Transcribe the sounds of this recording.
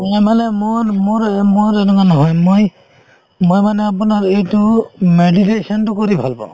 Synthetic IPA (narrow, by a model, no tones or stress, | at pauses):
mɔjmanɛmomoɹmoɾɛnɔkanɔɦɔjmoj | mojmanɛap̬unaɹejtʊmeditesɔntʊkoɾibʱalbɔ̰̃